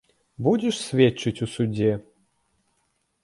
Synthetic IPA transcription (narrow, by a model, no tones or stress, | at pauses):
budʲɪʂsʲvʲet͡ʃːɨtʲusudʲe